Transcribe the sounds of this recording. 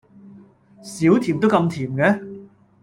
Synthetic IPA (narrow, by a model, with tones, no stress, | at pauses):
siː˨˥wt̪ʰiː˨˩mt̪o˥wkɐ˧mt̪ʰiː˨˩mkɛ˨˦˥